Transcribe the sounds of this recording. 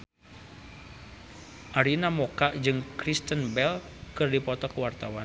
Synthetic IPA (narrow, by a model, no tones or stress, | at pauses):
ʔaɾinamokaʔd͡ʒɨŋkɾist̪ənbɛl | kɨrdipɔt̪ɔkəwart̪awan